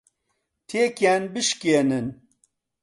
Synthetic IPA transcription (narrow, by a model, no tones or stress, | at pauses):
t̪ʰeːkjanbɨʃkenɨn